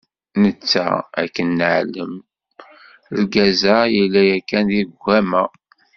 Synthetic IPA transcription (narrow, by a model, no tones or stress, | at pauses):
nət͡sːæ̰æ̰kːənːəʕləm | ɾɡæzæjilːæjækːænðiðɡʷæmæ